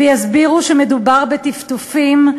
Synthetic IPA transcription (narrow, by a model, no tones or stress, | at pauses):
ejazbiʁuʃemedubaʁbet̪ift̪ufim